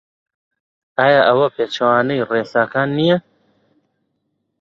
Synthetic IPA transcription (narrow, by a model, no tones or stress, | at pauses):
aːjaːʔɐwɐpeːt͡ʃʰɐwaːnɐjreːsaːkaːnːije